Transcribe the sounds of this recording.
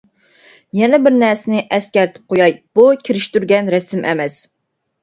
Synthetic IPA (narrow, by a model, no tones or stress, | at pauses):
jɛnɛbɪɾnæɾsɪnɪʔɛskʲæɾt̪ʰɪ̥p̚qʰojɑjb̥ukʲʰiɾɪʃt̪yɾɡʲɛnɾɛsɪmʔɛ̰mɛs